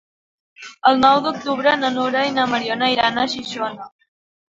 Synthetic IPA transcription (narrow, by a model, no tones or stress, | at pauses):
əlˠnɔwd̪uk̚t̪uβɾənənuɾainəməɾionaiɾanəʃiʃona